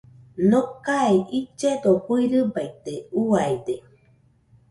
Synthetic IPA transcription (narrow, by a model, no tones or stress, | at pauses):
nokaiʔit͡ʃːed̪ohuiɾɨbajt̪ːeuajd̪e